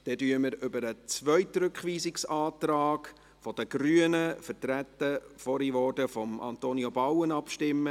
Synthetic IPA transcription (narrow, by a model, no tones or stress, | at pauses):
d̥ɛtyːəməɾʏbəɾət͡sʋœʏt̪ɾɵkχʋiːsɪksɑːtɾɑːɡ | fɔd̥̪əɡ̥ɾyənəfətɾæt̪ːəfɔɾiʋɔːdəfɔmɑ̰nt̪oːniobawənɑpʃtɪmːə